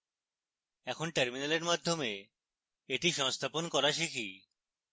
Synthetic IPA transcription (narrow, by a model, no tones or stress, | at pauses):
ɛkʰonʈeɾminaleɾmad̪ʱːome | eʈiʃɔŋst̪ʰaponkɔɾaʃikʰi